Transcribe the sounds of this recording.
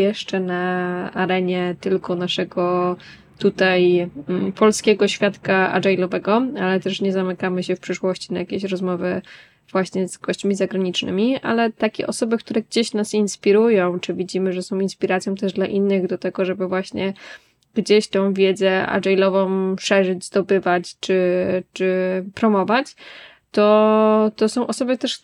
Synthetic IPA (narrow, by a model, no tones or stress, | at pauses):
jɛʂt͡ʂɛnaa̰ɾɛɲɛt̪ɘlkɔnaʂɛɡɔ | t̪ut̪ajpɔlskʲɛɡɔɕfʲjat̪kaa̰ɖ͡ʐɛjlɔvɛɡɔalɛt̪ɛʂɲɛzamɘkamɘɕɛfpʂɘʂwɔɕt͡ɕinajakʲeɕɾɔzmɔvɘ | v̥waɕɲɛzɡɔɕt͡ɕmʲizaɡɾaɲit͡ʂnɘ̰mʲia̰lɛt̪akʲɛ̰ʔɔsɔbɘk̚t̪uɾɛɡd͡ʑeɕnasinspʲiɾujɔ̃w̃t͡ʂɘvʲid͡ʑimɘʐɛsɔ̃w̃inspʲiɾat̪sʲjɔ̃w̃t̪ɛʐd̪laʔinːɘɣd̪ɔt̪ɛɡɔʐɛbɘvwaɕɲɛ | ɡ̥d͡ʑeɕt̪ɔ̃w̃vʲjɛd̪zɛa̰ɖ͡ʐɛjlɔvɔ̃w̃ʂɛʐɘd͡ʑzd̪ɔbɘvat͡ɕt͡ʂɘt͡ʂɘpɾɔmɔvat͡ɕ | t̪ɔt̪ɔsɔ̃w̃ʔɔsɔbɘt̪ɛʂ